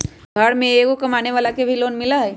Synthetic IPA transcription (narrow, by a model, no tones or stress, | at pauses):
ɡʱəɽmẽeːɡokɐmaːneʋaːlakebʱiloːnmɪlaɦɛː